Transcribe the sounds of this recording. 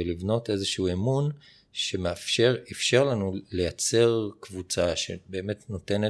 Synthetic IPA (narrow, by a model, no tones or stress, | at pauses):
elivno̞tezeʃuemun | ʃemeafʃeʁifʃe̞ʁlanule̞jat͡se̞ʁkvut͡saʃebe̞ːme̞tnote̞ne